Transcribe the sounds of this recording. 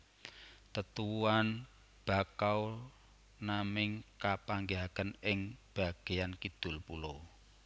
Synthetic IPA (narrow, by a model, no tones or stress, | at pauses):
t̪ət̪uuan | b̥a̤kaw | namɪŋkapaŋɡeɦakənɪŋb̥a̤ɡ̥e̤jankid̪̥ʊ̤lpulo